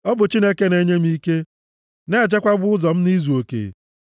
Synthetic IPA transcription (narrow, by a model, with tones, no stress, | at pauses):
ɔ˦bʊ˨t͡ʃi˦ne˦ke˦ne˦ɲe˦m̩˦i˦ke˦ | ne˦˨d͡ʒe˦kʷa˦ɡ͡bʊ˦ʊ˦zɔ˨m̩˦ni˦zu˨o˨kḛ˨